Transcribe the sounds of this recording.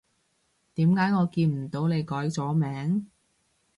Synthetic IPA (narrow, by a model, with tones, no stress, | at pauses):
t̪iː˨˥mkaː˨˥jŋɔː˨˧kiː˧nm̩˨˩t̪o˨˧˥wne˨˧jkɔː˨˥jt͡sɔː˨˥mɛː˨˥ŋ